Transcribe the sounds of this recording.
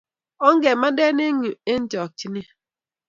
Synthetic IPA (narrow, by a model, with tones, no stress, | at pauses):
ɔ˦ŋ̩˦ɡe˨ma˦de˦ne˦ŋu˨e˦n̩˦d͡ʒɔ˨t͡ʃi˦ne˦